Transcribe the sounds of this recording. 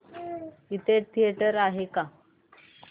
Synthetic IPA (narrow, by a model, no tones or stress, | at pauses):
it̪eʈ̚t̪ʰijeʈəɾaɦeka